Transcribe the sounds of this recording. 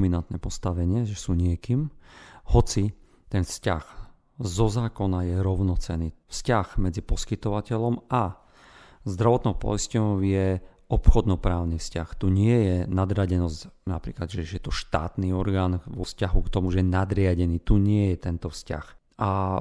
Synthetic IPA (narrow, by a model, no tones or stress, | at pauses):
minant̪nɛpɔst̪aʋɛɲɪɛʒɛsuːɲɪɛkiːmhɔt͡si | t̪ɛnfsca̰ɣ | zɔzaːkɔnajɛɾɔʊnɔt͡sɛniːfscaɣmɛd͡zipɔskit̪ɔʋacɛʎɔma | zd̪ɾaʋɔt̪nɔʊpɔ̰jscɔjɛ | ɔpxɔd̪nɔpɾaːʊnifscaxt̪uɲɪɛjɛnad̪ɾaɟɛnɔzcnapɾiːklad̪ʒɛʒɛjɛt̪ɔʃt̪a̰ːt̪niɔɾɡaːnʋɔfscaɦukt̪ɔmuʒɛjɛnad̪ɾɪaɟɛniːt̪uɲɪɛjɛt̪ɛnt̪ɔfsca̰x | ʔa